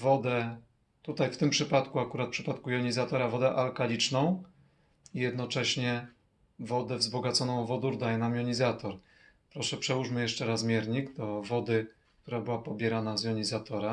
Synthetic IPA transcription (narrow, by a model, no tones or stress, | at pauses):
vɔd̪ɛ | t̪ut̪ajft̪ɘmpʂɘpat̪kuakuɾat̪̚pʂɘpat̪kujɔɲizat̪ɔɾavɔd̪ɛʔalkalʲit͡ʂnɔ̃w̃ | ijɛd̪nɔt͡ʂɛɕɲɛ | vɔd̪ɛvzbɔɡat̪sɔnɔ̃w̃vɔd̪uɾd̪ajɛnamjɔɲizat̪ɔɾ | pɾɔʂɛpʂɛwuʂmɘjɛʂt͡ʂɛɾazmʲjɛɾɲiɡd̪ɔvɔd̪ɘ | k̚t̪uɾabɘwapɔbʲjɛɾanazjɔɲizat̪ɔɾa